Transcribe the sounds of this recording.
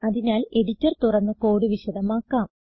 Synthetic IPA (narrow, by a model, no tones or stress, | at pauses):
ɐðinaːle̞ɽitːɐrt̪urɐnːɨko̞ːɽɨʋiɕɐðɐmaːkːaːm